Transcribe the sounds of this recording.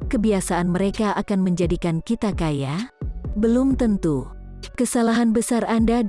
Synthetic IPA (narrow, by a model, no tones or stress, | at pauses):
kəbiasaanməɾekaʔakanməɲd͡ʒadikankit̪akajabəlumt̪ənt̪u | kəsalaɦanbəsaranda